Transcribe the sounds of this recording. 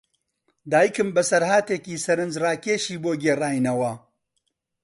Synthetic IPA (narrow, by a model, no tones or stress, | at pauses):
d̪aːjikɨmbɐsɐɾhaːt̪eːkiːsɐɾɨnd͡ʒraːkeːʃiːboːɡeːraːjnɐwɐ